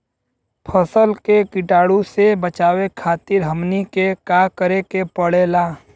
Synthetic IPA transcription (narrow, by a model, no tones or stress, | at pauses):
pʰəsəlkekɪʈaːɽusebət͡ʃaːwekʰaːt̪ɪɾɦəmnikekaːkəɾekepəɽeːlaː